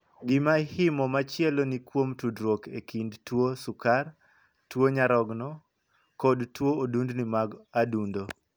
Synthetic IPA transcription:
ɡɪmahɪmɔmat͡ʃɪɛlonikwomtudɾwokekʰindtwosʊkar | twoɲaɾɔɡnɔ | kɔdtwoodundnimaɡadundo

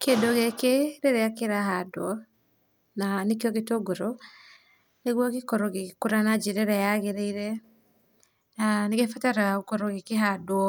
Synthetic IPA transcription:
kendoɣekeɾeɾeakeɾahadoɔ | nanekeɔɣetoɡoɾo | neɣwɔɣekɔɾɔɣekuɾanad͡ʒeɾɛɾɛjaɣeɾeiɾɛ | naneɣefataɾaokɔɾɔɣekeɦadwɔ

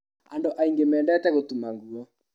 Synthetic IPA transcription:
andoʔaiŋɡemɛːndɛtɛɣotumaŋɡuɔ

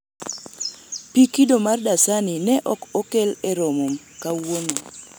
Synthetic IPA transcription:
pikidomardasaninɛʔɔkɔkelɛɾomom | kawono

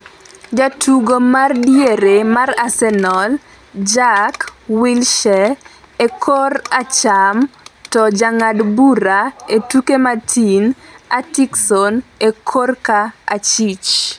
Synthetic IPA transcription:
d͡ʒatuɡomardjeɾemarasɛnɔl | d͡ʒakwilʃɛ | ekʰorat͡ʃamtɔd͡ʒaŋadbuɾaetukematʰinatiksɔnekʰorkaːt͡ʃit͡ʃ

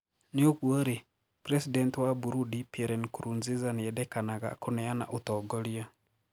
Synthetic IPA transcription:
nɪokuoɾe | pɾesidɛntwabuɾudipɛɾɛnkuɾunzizaneɛdɛkanaɣa̰konɛana̰ʔutɔɡolia

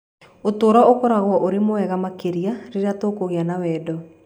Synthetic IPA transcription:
otoːɾɔokɔɾaɣwɔʔoɾemoɛɣamakeɾiaɾeɾeatoːkoɣeanawɛːdɔ

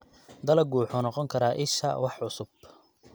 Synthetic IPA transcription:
d̪ɐlɐɡuːħʊnɔqɔŋkʰɐɾaʔɪʃɐ̰wɑħʕʊsʊb

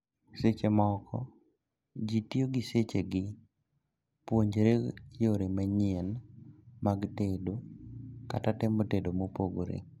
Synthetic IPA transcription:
set͡ʃemɔkʰɔ̰ | d͡ʒitijoɡiset͡ʃeɡɪ | pwoɲd͡ʒeɾejoɾemaɲenmaɡtedokatatɛmotedomopoɡoɾḛ

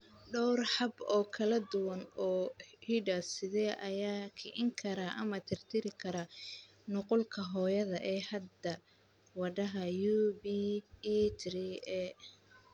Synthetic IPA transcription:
ɖɔwrħɑbɔːkʰɐlɐd̪ʊwɐnɔːhiɖɐsɪðɛːʔɐjaːkʰɪʔɪŋkʰɐɾaʔɐ̰mɐt̪ʰɪrt̪ʰɪɾɪkʰɐɾɐ | nʊqʊlkʰɐɦɔːjɐðɐʔɛːhɐd̪ɐ | wɑɖɐɦɐjuːbi | t̪ʰɾiɛ

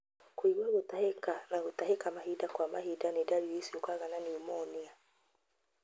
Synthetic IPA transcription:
kwiɣwaɣot̪ahekanaɣotaɦekamaɦidakwama̰hidanedaɾiisiokaɣananiomɔnia

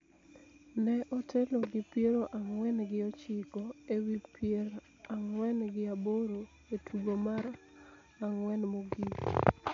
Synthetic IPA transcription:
nɛʔɔtʰeloɡɪpjeɾoʔaŋwɛnɡɪɔt͡ʃɪkɔewipʰjeɾ | aŋwɛnɡɪaboɾo | etʰuɡomaɾ | aŋwɛnmoɡi

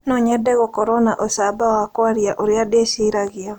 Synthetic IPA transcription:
noɲɛdɛɣɔkɔɾɔnaʔosabawakwaɾjaʔoɾjadeʃiɾaɣɪa

